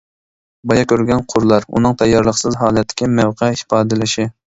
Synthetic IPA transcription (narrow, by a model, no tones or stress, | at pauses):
bɑjɑkʲʰøɾɡʲɛnqʰʊɾlˠɑɾṵnɨŋt̪ʰɛjːɑɾlˠəχsɨzɦɑːlɛt̪ʰːɪ̥kʲimɛwqʰɛɪpɑːd̪ɪlɪʃi